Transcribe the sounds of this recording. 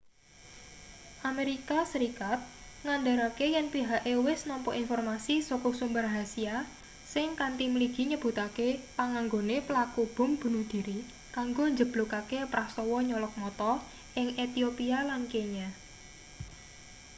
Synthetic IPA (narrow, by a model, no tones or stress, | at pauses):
ʔameɾikasəɾikat̪̚ŋand̪aɾakejɛnpiɦaʔewɪsnɔmpɔʔinfɔrmasisokɔsumbərɦasia | sɪŋkant̪imliɡ̥i̤ɲəb̥ṳt̪akepaŋaŋɡonepəlakub̥ʊ̤mb̥ṳnuhd̪̥i̤ɾi | kaŋɡoɲd͡ʒəb̥lukakepɾast̪ɔwɔɲɔlɔk̚mɔt̪ɔ | ʔɪŋet̪iopialankeɲa